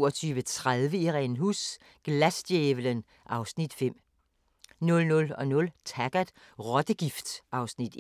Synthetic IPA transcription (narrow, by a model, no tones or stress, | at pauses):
ɐt͡sʰyːʋət͡sʰʁaðˠʋəiʁɛnɦus | ɡ̥læsd̥jeʋələn | ʔɑ̈ʊsnid̥fem̰ | nɔ̽lnɔ̽lɒ̽nɔ̽lt͡sʰæɡ̥æd̥ | ʁɒd̥əɡ̥ifd̥sʔɑ̈ʊsnid̥